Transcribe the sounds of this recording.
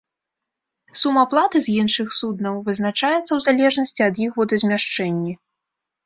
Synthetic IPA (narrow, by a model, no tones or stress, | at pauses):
sumɐplˠat̪ɨzʲjinʂɨxsud̪nɐwvɨznat͡ʂajɛt̪sːɐwzalʲɛʐnɐsʲt͡sʲiɐd̪jixvɔd̪ɐzʲmʲaʂt͡ʂɛnʲːi